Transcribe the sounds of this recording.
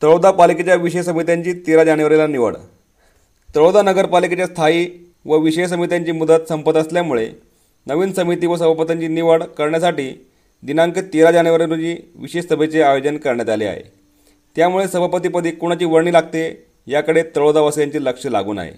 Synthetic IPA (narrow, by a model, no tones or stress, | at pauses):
t̪əɭod̪apaliket͡ɕjaʋiɕəjs̬əmit̪jaɲt͡ɕiːt̪iɾad͡ʑanəʋaɾilaniʋə̰ɽ | t̪əɭod̪anəɡəɾpaliket͡ɕjast̪ʰaiː | ʋəʋiɕejs̬əmit̪jaɲt͡ɕiːmud̪ət̪səmpət̪əsljamuɭe | nəʋiːnsəmit̪iːʋəs̬əbʱapət̪aɲt͡ɕiːniʋəɽkəɾɳjasaʈiː | d̪inaŋkət̪iɾad͡ʑanəʋaɾiɾut͡ɕiːʋiɕeʂsəbʱet͡seajod͡ʑənkəɾɳjat̪alḭa̰ɦḛ | t̪jamuɭesəbʱapət̪ipəd̪ʱiːkuɽ̃at͡ɕiːʋəɾɳiːlaɡ̚t̪e | jakəɽet̪əɭod̪aʋəsljaɲt͡ɕiːləkʂəla̰ɡṵːna̰ɦḛ